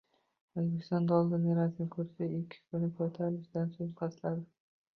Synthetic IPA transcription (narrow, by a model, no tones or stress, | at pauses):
ɵzbekʲʰɪ̥st̪ɒnd̪aɒlˠd̪ɪnɪɾat̪ɪnɪkʰɵɾsaɪkʲʰːɪ̥kʰʊnɪkʰɒjt̪ʰaɾlɪʃd̪ansoŋqʰɑslad̪ɪ